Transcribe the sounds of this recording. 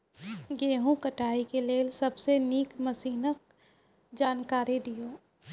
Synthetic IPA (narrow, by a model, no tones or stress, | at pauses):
ɡeːɦũkəʈaːikeleːlsɐbseniːkməsiːnək̚ | d͡ʒaːnkaːɾid̪ijoː